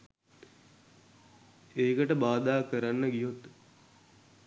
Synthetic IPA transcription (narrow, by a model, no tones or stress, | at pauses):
eːkəʈəbaːd̪aːkəɾanːəɡijot̪